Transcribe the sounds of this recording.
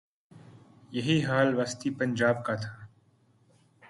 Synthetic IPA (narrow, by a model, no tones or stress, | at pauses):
jɐɦiɦaːlʋaːst̪ipɐ̃nd͡ʒaːb̚kat̪ʰaː